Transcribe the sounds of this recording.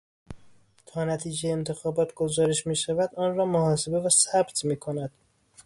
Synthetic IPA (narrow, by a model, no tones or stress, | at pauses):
t̪ʰɒːnæt̪ʰiːd͡ʒejent̪ʰe̞xɒːbɒːt̪ʰɡozɒːɾeʃmiːʃævæd̪ɒːnrɒːmohɒːse̞be̞væsæbt̪ʰmiːkʰonæd̪̥